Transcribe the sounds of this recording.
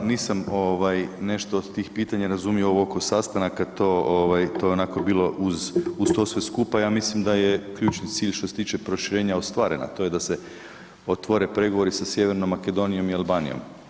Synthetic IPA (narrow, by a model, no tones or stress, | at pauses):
niːsamoʋajne̞ʃt̪o̞ːd̪t̪iːxpiːt̪aɲaɾazumioookosast̪anakat̪o̞ːoʋajt̪o̞ːjeo̞nako̞biːlo̞ʔuzust̪o̞sʋeskupajamislimd̪ajekʎuːt͡ʃnit̪siːʎʃt̪o̞set̪iːt͡ʃe̞pɾo̞ʃiɾe̞ːɲaost̪ʋaːɾe̞̰na̰t̪o̞je̞d̪ase | o̞t̪ʋo̞ɾe̞pɾe̞ɡoʋo̞ɾisasje̞ʋe̞ɾnomːake̞d̪o̞nijo̞mialˠbaːnijo̞̰m